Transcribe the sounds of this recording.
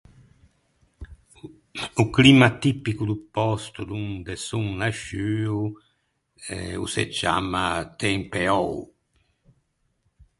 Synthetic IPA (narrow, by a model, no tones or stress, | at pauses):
uklimat̪ipːikud̪upɔst̪ud̪und̪esuŋnaʃyːu | ɛ̰ṵsḛd͡ʒa̰mat̪ɛŋpeɔw